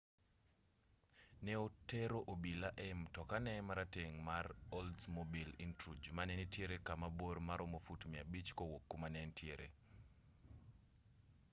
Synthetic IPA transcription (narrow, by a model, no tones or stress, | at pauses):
nɛoteɾoʔobilaʔɛmtɔkanɛmaɾateŋmaroldsmobilintɾud͡ʒmanɛnitjeɾekamabormaɾomofutmiabit͡ʃkowokːumanɛntʰieɾʔḛ